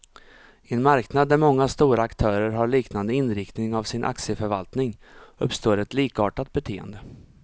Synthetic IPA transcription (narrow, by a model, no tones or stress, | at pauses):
ɛnmaɾknad̪̚ːæɾmɔŋːast̪uːɾaːkt̪ʰœːɾəɾɦaɭiːknand̪əɪnɾɪkt̪nɪŋavsɪnʔa̰ksɪəfœɾvalt̪nɪŋɵpst̪oːɾɛt̪liːkɑːʈat̪̚bɛt̪ʰeːə̰nd̪ə